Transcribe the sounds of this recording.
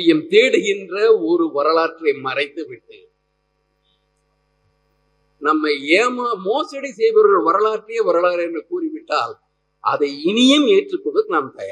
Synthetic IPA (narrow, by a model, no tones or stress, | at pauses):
ɪjɐmt̪eːɽɯɣɪndrɐɔɾɯʋɐɾɐɭaːʈrɐɪmɐrɐɪt̪ːɯʋɪʈːɯ | nɐmːɐɪeːmaːmoːsɐɽisɛjʋɐɾɯɾʋɐɾɐlaːʈrɪjɐʋɐɾɐɭaːɾɛndrɐkuːrɪʋɪʈːaːl | ʔɐ̰ðɐɪɪnɪjɐmeːʈrɯkːɯðɯkːnamt̪ɐja